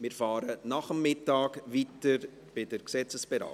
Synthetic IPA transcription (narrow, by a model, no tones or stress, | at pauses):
mɪɾfɑːɾənɑχəmːɪtːɑːkvitəɾ | b̥ɪdəɾksɛt͡səsb̥ɛɾɑ̰ː